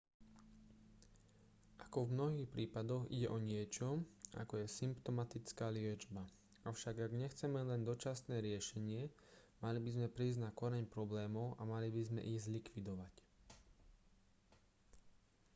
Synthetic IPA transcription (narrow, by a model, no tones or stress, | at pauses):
ʔḁkɔvmnɔɦiːxpɾiːpad̪ɔɣḭɟɛʔɔɲɪɛt͡ʃɔʔa̰kɔjɛsimpt̪ɔmat̪it͡skaːlɪɛd͡ʒba | aʊʃaɡaɡɲɛxt͡sɛmɛlɛnd̪ɔt͡ʃasnɛːɾɪɛʃɛɲɪɛ | malibizmɛpɾiːzɟnakɔɾɛɲpɾɔblɛːmɔʊʔamalibizmɛ̰ʔiɣzlikʋid̪ɔʋac